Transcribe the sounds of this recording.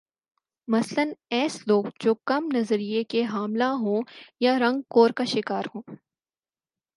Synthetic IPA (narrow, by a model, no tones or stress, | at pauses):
mɐslənɛːsloːɡd͡ʒoːkɐmnɐzəɾijekeɦaːmlaɦõːjaɾɐ̃ŋɡ̚koːɾkaʃɪkaːɾɦõː